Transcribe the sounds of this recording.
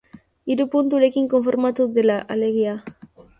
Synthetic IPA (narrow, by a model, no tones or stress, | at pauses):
iɾupunt̪uɾe̞kiŋko̞ɱfoɾmat̪uðelaʔaleɣia